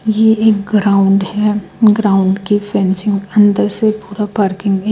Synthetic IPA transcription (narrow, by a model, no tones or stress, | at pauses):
jeeːk̚ɡɾaːʊ̃ɳɖhɛɡɾaːʊ̃ɳɖkifɛ̃ːnsɪ̃ŋɡɐ̃nd̪əɾsepuːɾapaːɾkɪ̃ŋɡɦɛ